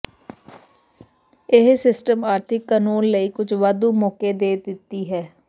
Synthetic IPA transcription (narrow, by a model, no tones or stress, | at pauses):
ɪɦsɪsʈəmaːɾt̪ʰɪkːanuːnləiːkʊt͡ʃʰʋad̪uːmɔːkeːd̪eːd̪ɪt̪ːiːɦɛː